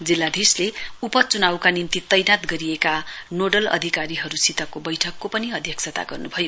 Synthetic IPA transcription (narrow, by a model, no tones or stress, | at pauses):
d͡zilːad̪ʱisleupʌt͡sunawkanimt̪it̪ʌjnat̪ɡʌɾiekanoɖʌlʌ̰d̪ʱikaɾiɦʌɾusit̪ʌkobʌjʈʰʌkːopʌniʌd̪ʱjʌk̚sʰʌt̪a̰ɡʌrnubʱʌjo